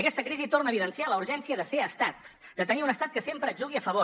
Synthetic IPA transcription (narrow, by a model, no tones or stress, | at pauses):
əkɛst̪əkɾizit̪ornəβiðənsialəuɾʒɛnsiəðəseəst̪at̪ | d̪ət̪əniunəst̪at̪kəsempɾət̪ʒuɣ̞iəfəβo